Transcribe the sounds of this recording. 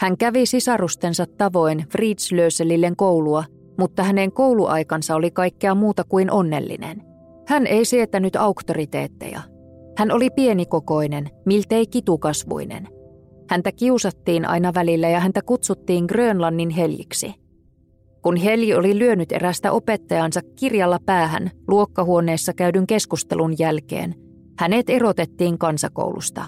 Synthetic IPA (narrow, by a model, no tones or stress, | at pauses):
hæŋkæʋisisɑrust̪ensɑt̪ːɑʋo̞jnfriːt̪sløyselːilːe̞ŋkowluɑ | mut̪ːɑhæne̞ŋko̞wluʔɑ̰jkɑnsɑo̞likɑjkːeɑmuːt̪ɑkuinʔo̞nːe̞̰lːḭnḛn | hænʔe̞jsiet̪ːænyt̪ɑukt̪orit̪ḛːt̪ːḛjɑ̰ | hæno̞lipie̞niko̞ko̞ine̞nmilt̪eikit̪ukɑsʋṵinḛn | hænt̪ækiusɑt̪ːiːnʔɑ̰jnɑʋælilːæjɑhænt̪ækut̪sut̪ːiːŋɡrøːnlɑnːinɦe̞ljḭksḭ | kunɦe̞ljio̞lilyø̞nyt̪ḛɾæst̪æ̰ʔo̞pe̞t̪ːɑjɑnsɑkːirjɑlːɑpæːɦæ̰nluo̞kːɑhuo̞ne̞ːsːɑkæydyŋke̞skust̪ḛlunjælkḛːn | hæne̞t̪e̞ɾo̞t̪et̪ːiːŋkɑnsɑko̰wlṵst̪ɑ̰